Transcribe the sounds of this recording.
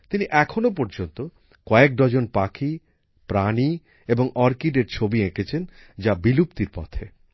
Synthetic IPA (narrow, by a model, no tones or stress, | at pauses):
t̪iniʔɛkʰonopɔɾd͡ʑont̪o | kɔek̚ɖ̪ɔd͡ʑonpakʰi | pɾani | eboŋʔɔɾkiɖeɾt͡ɕʰobiekʰet͡ɕʰend͡ʑabilupt̪iɾpɔ̰t̪ʰe